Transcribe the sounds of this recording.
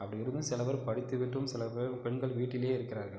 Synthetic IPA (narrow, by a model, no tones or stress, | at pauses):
ɐpːɐɽɪjɪɾɯnd̪ɯsɪlɐʋɐɾpɐɽɪt̪ːɯʋɪʈːrɯmsɪlɐppɛɳɡɐɭʋiːʈːɪleːɪɾɯkːɪɾaːɾɣɐɭ